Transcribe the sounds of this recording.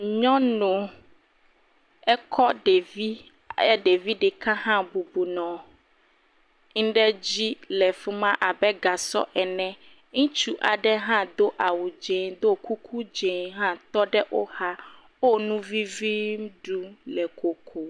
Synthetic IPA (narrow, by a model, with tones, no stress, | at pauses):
ɲɔ̃˦nõ˨ | ɛ˦kʰɔ˦ɖe˨vi˦ | ɛ˦ɖe˨vi˦ɖɛ˨kã˦hã˦bu˨bu˨nɔ̃˨ | ŋ̩̃˦ɖɛ˦d͡ʑi˦lɛ˨fu˦mã˦ʔa˨bɛ˦ɡa˨sɔ̰˦ʔɛ˨nɛ̃˨ | ŋũ˦t͡ʃu˦ʔa˨ɖɛ˦ɦã˦d̪o˦ʔa˨wu˨d͡ʒe˨d̪o˦ku˦kʰu˦d͡ʒe˨ɦã˦t̪ɔ˦ɖɛ˦ʔo˦ha˦ | wo˦nũ˦vi˦vi˦m˦ɖu˦lɛ˨ko˨kʰo˨